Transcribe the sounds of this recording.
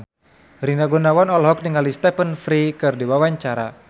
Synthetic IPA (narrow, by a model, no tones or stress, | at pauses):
rinaɡunawanɔlɦɔk̚niŋalist̪ɛpənfɾikɨrdiwawaɲt͡ʃaɾa̰